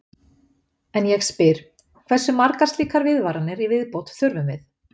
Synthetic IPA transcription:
ɛnjɛɣspɪɾ̥ | kʰv̥ɛsːʏmaɾkaɾ̥st̪liːkaɾvɪðvaɾanɪɾivɪðpɔwt̪θʏɾvʏmvɪθ

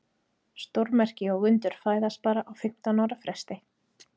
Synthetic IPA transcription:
st̪oɾmɛr̥cɪɔɣʏnt̪ʏɾ̥faːjðaspaːɾaʔawfɪm̥t̪anawɾafɾɛst̪ɪ

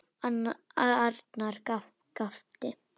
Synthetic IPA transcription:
aaɾt̪naɾka | kaft̪ɪ

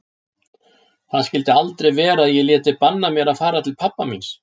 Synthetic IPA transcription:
θaðscɪlt̪ɪalt̪ɾejvɛːɾaðjɛɣljɛːt̪ɪpanːamjɛɾaðfaːɾat̪ʰɪlpʰapːamins

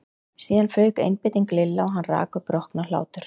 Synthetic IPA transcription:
siːðanfœːɥkḛjnpɪːt̪iŋklɪlːaɔɦanːra̰ːkʏpɾɔhknala̰ːwt̪ʏɾ̥

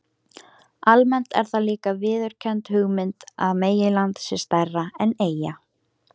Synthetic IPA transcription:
almɛn̥t̪ɛ̰ɾ̥θaliːkavɪːðʏɾ̥cʰɛnt̪hʏɣmɪnt̪aðmeːjɪlant̪sɪ̥st̪ɛrːaɛneːja

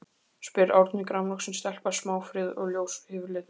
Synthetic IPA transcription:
spɪɾawɾt̪nɪkɾamlɔksɪnst̪ɛl̥pḁsmaːwfɾɪːðɔɣljoːwshɪːvɾlɪð

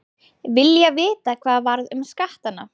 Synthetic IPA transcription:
vɪljavɪːt̪akʰv̥aːðvaɾðʏmskaht̪anːa̰

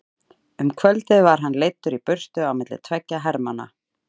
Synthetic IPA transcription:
ʏmkʰvœlt̪ɪðvaɾ̥ɦanːlejt̪ːʏɾipʏr̥t̪ʏawmɪt̪lɪ̰̥t̪ʰvɛcːaɦɛɾmana̰

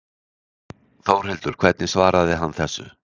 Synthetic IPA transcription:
θowɾ̥ɦɛlt̪ʏɾ̥kʰvɛt̪nɪsvaːɾaðɪɦanːθɛsːʏ̰

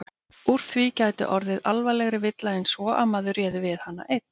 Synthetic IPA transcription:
uɾ̥θvicajt̪ɪ̰ʔɔɾðɪðalvajlɛɣɾɪvɪt̪laɪnsvɔʔamaːðʏɾjɛːðɪvɪðhanːa̰ʔejt̪n̥

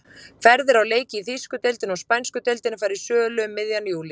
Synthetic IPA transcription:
fɛɾðɪɾawleːjcɪiθiskʏt̪elt̪ɪnɔɣspajnskʏt̪elt̪ɪnɪfaːjɾɪɾ̥sœːlʏmːɪðjanjuːlɪ

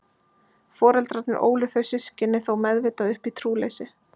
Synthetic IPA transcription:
fɔːɾɛlt̪ɾat̪nɪɾʔo̰ːwlɪθœɥsːɪscɪnːɪθowmɛðveːt̪aðʏhpit̪ʰɾuːleːjsɪ

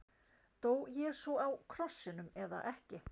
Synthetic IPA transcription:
t̪oːwjɛsvɔawkʰɾɔsːɪnʏmɛða̰ʔɛhcɪ

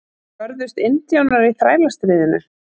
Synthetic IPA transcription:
vœɾðʏst̪ɪnt̪jawnaɾiθɾaːjlast̪ɾɪːðɪnʏ̰

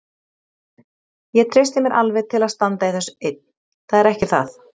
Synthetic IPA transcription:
jɛt̪ʰɾejst̪ɪmjɛɾʔalvɪðt̪ʰɪlaðst̪ant̪aiθɛsːʏ̥et̪̚nn̥ | θaðɛɾɛhcɪθa̰θ

